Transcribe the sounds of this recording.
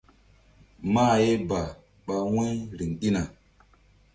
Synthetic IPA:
ma˦˨je˦ba˨ | ɓa˨we˦jɾi˨ŋɗi˦na˨

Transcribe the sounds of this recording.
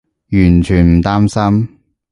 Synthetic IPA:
jyː˨˩nt͡ʃʰyː˨˩nm̩˨˩t̪aː˥msɐ˥m

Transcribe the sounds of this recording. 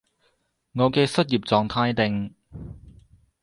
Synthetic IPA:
ŋɔː˨˧kɛː˧sɐ˥t̚jiː˨p̚t͡sɔː˨ŋt̪ʰaː˧jt̪ɪ˨˧ŋ

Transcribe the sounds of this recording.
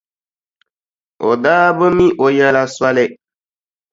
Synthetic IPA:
o̰˨daː˦bʊ˦mi˦ʔo˨jɛ˦la˦swa˦lɪ˦

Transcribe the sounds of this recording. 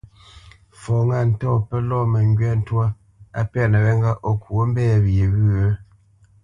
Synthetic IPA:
fɔ˨ŋa˦˨n̩˨tɔ˦˨pɛ˦lɔ˦mɛ˨ŋɡɥɛ˦n̩˦twa˦ | a̰˦pɛ˦˨nə˨wɛ˦ŋɡa˦ʔo˨kwo˦m̩˦bɛː˦˨βje˨ɣʉ˦ə˦

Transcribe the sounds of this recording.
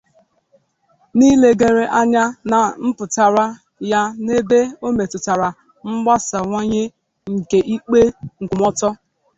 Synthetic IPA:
ni˦le˨ɡe˨ɾe˨ʔa˦ɲa˦na˨m̩˦pʊ˨ta˨ɾa˦ | ja˦ne˦be˦o˦me˨tʊ˨ta˨ɾa˨ | ŋ͡m̩˦ɡ͡ba˦sa˨ŋʷo˦ɲe˦ | ŋ̩˨ke˨ʔi˦k͡pe˦ŋ̩˨ɡʷʊ˨mɔ˦tɔ˦

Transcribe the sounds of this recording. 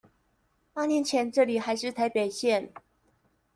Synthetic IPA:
pa˥njɛ˧˦nt͡ɕʰjɛ˧˦nʈ͡ʂɤ˥˩li˨˩xa˧˦ɪʂɻ̩˥˨t̪ʰa˧˦ɪpe˨˩ɪɕjɛ˥˨n

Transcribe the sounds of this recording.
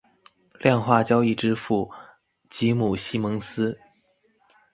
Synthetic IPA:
ljɑ˥˧ŋxwa˥˩t͡ɕjɑ˥ʊi˥˩ʈ͡ʂɻ̩˥fu˥˩ | t͡ɕi˧˥mu˨˩ɕi˥mɤ˧˥ŋsɹ̩˥

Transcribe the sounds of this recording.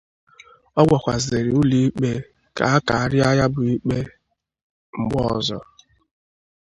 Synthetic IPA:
ɔ˦ɡʷɔ˨kʷa˨zɪ˨ɾɪ˨u˦li˦i˦k͡pe˦ | ka˨a˦ka˨a˨ɾɪ˦a˦ja˦bʊ˨i˦k͡pe˦ | ŋ͡m̩˨ɡ͡bɔ˦˨zɔ̰˨

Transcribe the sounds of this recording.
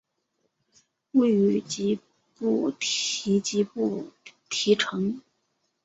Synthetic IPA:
we˥˩ɪy˧˥t͡ɕi˧˥ | pu˥˩t̪ʰi˧˥t͡ɕi˧˥pu˥˩t̪ʰi˧˥ʈ͡ʂʰɤ˧˥ŋ

